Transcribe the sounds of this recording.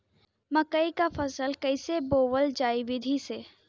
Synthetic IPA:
məkəikafʰəsəlkəɪseboːwəld͡ʒaːiʋɪd̪ʱise

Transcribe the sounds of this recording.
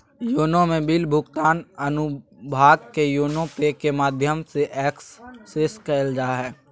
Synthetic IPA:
joːnõmẽbiːlbʱʊɡt̪aːnɐnʊbʱaːɡkejoːnõpekemaːd̪ʱjəmseʔɛːksːeskəld͡ʒaːɦɛː

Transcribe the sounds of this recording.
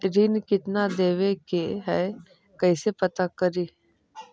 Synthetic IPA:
ɾinkɪt̪nad̪eːʋekeɦɛ | kɐɪsepɐt̪akəɾiː

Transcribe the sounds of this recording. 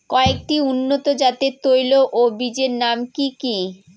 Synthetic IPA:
kɔek̚ʈiunːot̪od͡ʑat̪et̪ojloʔobid͡ʑeɾnamkiki

